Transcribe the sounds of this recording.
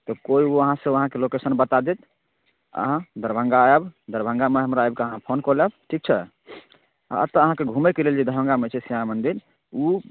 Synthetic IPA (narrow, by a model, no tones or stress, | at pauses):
t̪ɔkoiuəɦãsẽəɦãkelokesənbət̪ad̪et̪ | ə̰ɦãd̪əɾbʱə̃ŋɡaɛbd̪əɾbʱə̃ŋɡameɦəmɾajbkeəɦãpʰonkɔlɛbʈʰik̚t͡ʃʰɛ | ə̰t̪əəɦãkeɡʱumɛkeleld͡ʒed̪ʱəɦə̃ŋɡamet͡ʃʰɛsiamənd̪iɾ | u